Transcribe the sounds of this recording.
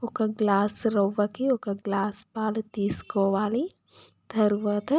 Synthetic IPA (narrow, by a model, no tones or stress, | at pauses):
okaɡlaːsɾɐʋɐkioːkaɡlaːspaːlt̪iːskoʋaːli | d̪ʰʱɐɾʋɐt̪ɐ